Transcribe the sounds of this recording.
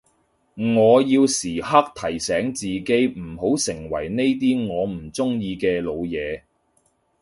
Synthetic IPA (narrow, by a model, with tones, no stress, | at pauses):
ŋɔː˨˧jiː˧wsiː˨˩ɦa˥k̚t̪ʰɐ˨˩jsɛː˨˥ŋt͡siː˨ke˨˥jm̩˨˩ho˨˥wsɪ˨˩ŋwɐ̰˨˩jne˥jt̪̬iː˥ŋɔː˨˧m̩˨˩t͡sʊ˥ŋjiː˧kɛː˧lo˨˧wjɛː˨˧